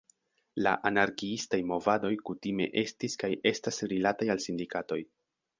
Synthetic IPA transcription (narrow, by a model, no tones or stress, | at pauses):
la̰ʔanaɾkiistajmo̞vado̞jkutime̞̰ʔe̞stiskajʔe̞stasɾilatajalsindikato̞j